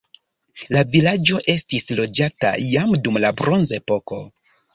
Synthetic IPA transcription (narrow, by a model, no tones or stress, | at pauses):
lavilad͡ʒo̞ʔe̞stislo̞d͡ʒata̰jamdumlabɾo̞nze̞po̞ko̞